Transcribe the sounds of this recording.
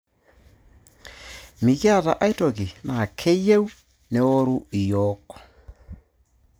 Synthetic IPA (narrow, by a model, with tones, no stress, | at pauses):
mi˨ki˦a˦˨ta̰˨ʔa˦i˦tɔ˨ɣi˨na˨kʰe˦je˦u˦ | ne˨ɔ˦ɾu˦i˨jɔkɔ̥˨